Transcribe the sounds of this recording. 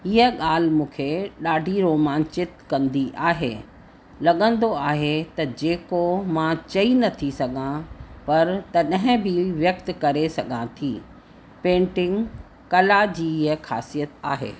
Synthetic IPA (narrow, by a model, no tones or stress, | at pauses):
ɪɦəɠaːl̤ɪmũːkʰeɗaːɖʱiɾoːmaːnt͡ɕɪt̪kɐ̃nd̪iʔaːɦḛ | lɐɠə̃nd̪oaːɦet̪ɐd͡ʑeːkomãt͡ɕɐinɐt̪ʰisɐɡʱãpɐɾt̪ɐɗɐ̃ɦɪ̃bʱiʋjɐkt̪kɐɾesɐɠʱãt̪ʰiː | pẽːɳʈɪ̃ŋɡ | kɐlad͡ʑiːɪɦəxa̰ːsijət̪a̰ːɦḛː